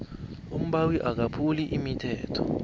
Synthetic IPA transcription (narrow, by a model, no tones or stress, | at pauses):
um̩ɓawiʔak̬apʰuliʔimitʰɛːtʰɔ̰